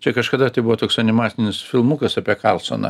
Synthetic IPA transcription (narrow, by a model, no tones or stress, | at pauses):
t͡ʃʲɛkɐʃkɐd̪ɐt̪ɐɪbuʋoːt̪oːksɐnʲɪmɑːt̪sʲɪnʲɪsfʲɪlˠmukɐsɑpʲiɛkɑlˠso̰nɐ̰